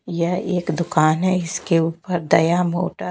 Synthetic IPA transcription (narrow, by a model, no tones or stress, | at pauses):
jɐɦeːkd̪ʊkaːnɦɛɪskeuːpəɾd̪ɐjamo̰ːʈa